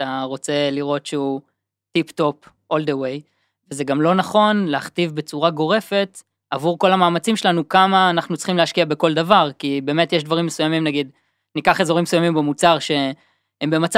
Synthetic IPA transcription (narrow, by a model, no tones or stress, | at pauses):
taʁo̞t͡se̞liʁo̞tʃeu | tipto̞p | ʔo̞ldewej | vezeɡamlo̞naχo̞nleaχtivbet͡suʁaɡo̞ʁe̞fe̞t | avuʁko̞lamaːmat͡simʃe̞lanukamaːnaχnut͡sl̥χimleaʃkiabe̞ko̞ldavaʁkibe̞metjeʃdvaʁimːesujamimnaɡid | nikaχe̞zo̞ʁimesujamimbemut͡saʁʃe̞ | embe̞mat͡s